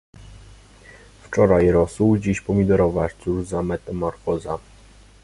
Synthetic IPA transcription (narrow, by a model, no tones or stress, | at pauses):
ft͡ʂɔɾajɾɔsuwd͡ʑiɕpɔmʲid̪ɛɾɔvaʂt̪suɾzamɛt̪ɛmɔɾfɔza